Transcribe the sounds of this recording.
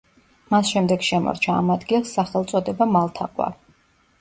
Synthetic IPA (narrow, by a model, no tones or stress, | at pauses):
masʃɛmd̪ɛɡʃɛmɔ̰ɾt͡ʃʰa̰ːmad̪ɡilˠsːaχɛlˠt̪sʼɔd̪ɛbamalˠt̪ʰaqʼwa̰ɾ